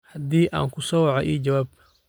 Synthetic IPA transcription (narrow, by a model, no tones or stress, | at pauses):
hɐd̪iːʔa̰ːŋkʰʊsɔwɑʕɔʔiːd͡ʒɐwaːb̚